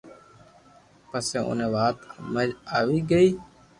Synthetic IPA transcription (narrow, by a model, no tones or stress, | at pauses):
pəsẽːʔʊ̰nẽːʋaːt̪məɾaːʋiːɡəiː